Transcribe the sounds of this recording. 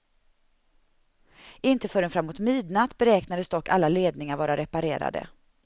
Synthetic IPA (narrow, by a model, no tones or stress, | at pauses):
ɪnt̪əfœɾɛnfɾamːuːt̪miːd̪nat̪ːbɛɾɛːknad̪əsd̪ɔkːa̰lːaleːd̪nɪŋaɾvɑːɾaɾɛpaɾeːɾa̰d̪ə̰